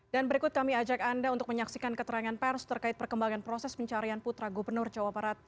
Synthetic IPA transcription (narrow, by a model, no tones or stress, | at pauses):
d̥anbəɾikʊt̪̚kamiad͡ʒakandaunt̪ʊkməɲaksikankət̪əɾaŋanpɛrst̪ərkaɪt̪̚pərkəmbaŋanpɾosɛspəɲt͡ʃaɾianput̪ɾaɡubərnʊrd͡ʒawabaɾat̪̚